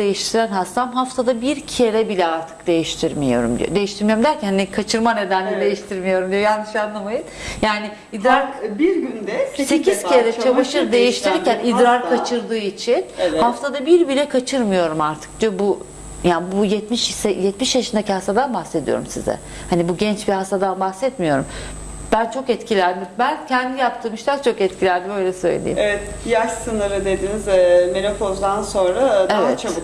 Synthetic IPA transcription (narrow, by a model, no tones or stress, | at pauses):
ejiʃt̪ʰiɾænɦast̪ʰamɦaft̪ʰad̪abiɾcʰieɾɛbilʲɛaɾt̪ʰɯ̥kd̪̥e̞jiʃt̪ʰiɾmḭjo̞̰ɾṵmd̪ḭo̰d̪e̞jiʃt̪iɾmijoɾumd̪æɾcʰænhanikʰat͡ʃʰɯɾmane̞d̪ænlʲɛd̪e̞jiʃt̪ʰiɾmijo̞ɾumd̪ijo̞janːɯʃanlˠamajɯnjaːnɪ | id̪ɾaɾbiɾɡynd̪ɛsecʰiz̥kʰieɾɛt͡ʃʰavaʃɯɾd̪e̞jiʃt̪ʰiɾiɾcænid̪ɾaɾkʰat͡ʃʰɯɾd̪ɯːit͡ʃʰinhaft̪ʰad̪abiɾbilʲɛkʰat͡ʃʰɯɾmɯjo̞ɾumaɾt̪ʰɯ̥k̚d͡ʒabu | janbujɛt̪miʃsɛjɛt̪miʃjaʃɯnd̪acihast̪ʰad̪anbaxsed̪ijo̞̰ɾumsḭzɛ̰ | hanibuɟɛnt͡ʃbihast̪ad̪anbaxsɛt̪mijo̞ɾum | b̥ænt͡ʃʰo̞kɛt̪cʰilʲænd̪imbæncʰɛnd̪ijap̚t̪ʰɯmɯʃt̪ˠak̚t͡ʃʰo̞kɛt̪cʰilʲænd̪imøjlʲɛsøjlḛlʲḛḭevɛt̪ | jaʃsɯnɯɾɯd̪e̞d̪inizɛmenofozd̪anso̞nɾadevɛtʰab